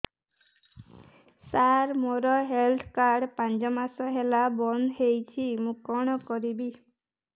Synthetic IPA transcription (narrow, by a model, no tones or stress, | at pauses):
saɾmoɾɔɦelt̪ʰkaɾɖpand͡ʒɔmasɔɦelabɔnɦejt͡ʃʰimũkɔɽ̃ɔkɔɾibi